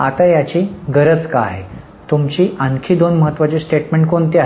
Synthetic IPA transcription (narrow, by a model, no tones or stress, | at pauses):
a̰t̪ajat͡ɕiːɡəɾət͡ska̰ːɦe | t̪umt͡ɕiːʔãnkʰiːd̪onməɦət̪ːʋat͡ɕesʈeʈmẽɳʈ̚kont̪ia